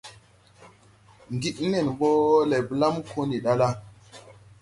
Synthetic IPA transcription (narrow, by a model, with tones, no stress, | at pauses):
ŋɡi˦ɗne˨nɓo˦le˨bla˦mkʰo˦ni˨ɗa˦la˦